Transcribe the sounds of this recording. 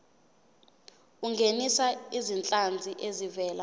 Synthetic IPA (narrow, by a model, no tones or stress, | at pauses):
uŋɡʱenisaizint͡ɬʼand͡zʱiʔezivɛːla